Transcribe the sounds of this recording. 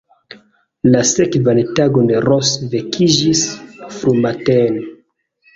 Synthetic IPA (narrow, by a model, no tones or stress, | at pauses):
lasekvantaɡondeɾosvekʰid͡ʒisfɾumatene